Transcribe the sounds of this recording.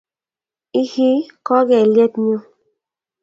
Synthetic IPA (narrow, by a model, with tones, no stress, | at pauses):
i˦hi˦kɔ˦ɡɛ˨ljɛ˦t̪ɲo˦